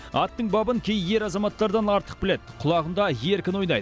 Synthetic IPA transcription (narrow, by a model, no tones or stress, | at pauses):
ɑt̪ːəɴbɑbəŋkʲʰejje̞ɾɑzɑmɑt̪ːɑɾd̪ɑnɑɾt̪ə̥q̚bɪle̞d̪ɪqʰʊlˠɑʁəmd̪ɑje̞ɾkʲɪnwo̞jnɑ̰jd̪ə